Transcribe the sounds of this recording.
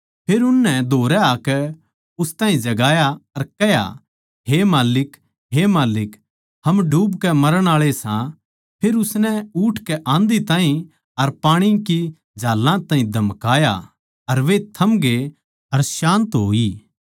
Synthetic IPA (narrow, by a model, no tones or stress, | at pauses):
pʰeːɾʊnːɛd̪ʱoːɾɛaːkɛ | ʊst̪ãːĩd͡ʒɐɡaːjaɐɾkɛɦja̰ | ɦemaːlɪk | ɦemaːlɪk | hɐmɖʱuːbkɛmɐɾəɽ̃aːɭesã | pʰeːɾʊsnɛʊːʈʰkɛʔãːnd̪it̪ãːĩ | ɐɾpaːɽ̃iki | d͡ʒʱaːlːãt̪ãːĩd̪ʱɐmkaːja̰ | ɐɾʋet̪ʰɐmɡe | ɐɾʃãːnt̪ɦoːiː